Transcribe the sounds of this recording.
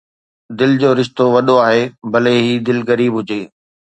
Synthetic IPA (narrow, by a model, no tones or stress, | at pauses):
d̪ɪld͡ʑoːɾɪʃt̪oʋɐɗoaːɦebɐleɦiːd̪ɪlɣɐɾiːbɦʊd͡ʑeː